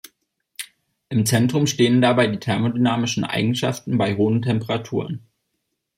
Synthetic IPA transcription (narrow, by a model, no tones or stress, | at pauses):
ʔɪmt͡sɛntʁ̥ʊmʃteːəndabaɪdiːtʰɛɐmodynaːmɪʃn̩ʔa̰ɪɡŋ̩ʃa̰ftn̩baɪɦoːəntʰɛmpəʁatʰuːʁən